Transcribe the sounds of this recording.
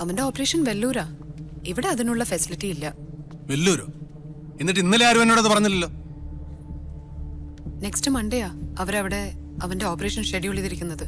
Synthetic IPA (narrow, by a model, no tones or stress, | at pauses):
ɐʋɐnde̞oːpːɐre̞ːʂɐnʋe̞lːuːɾaːiʋiɽe̞ɐðinuɭːɐfɐsilitːijilːɐ | ʋelːuːɾo̰ː | enːiʈːɨinːɐleaːɾuɐnːoːɽɐðɨpɐrɐɲːilːɐlːo̞ː | ne̞kstɨmɐɳɖejaːɐʋɐɾɐʋiɽe̞ | ɐʋɐnde̞oːpːɐre̞ːʂɐnʂeɽijuɭːiðiɾikʲːunːɐðɨ